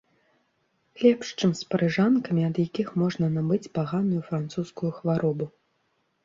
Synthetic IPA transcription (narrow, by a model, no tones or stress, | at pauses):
lʲɛpʂt͡ʂɨmspɐɾɨʐankɐmʲiɐd̪jakʲixmɔʐnɐnabɨt͡sʲpaɣanujufɾant̪suskujuxvaɾʔɔbu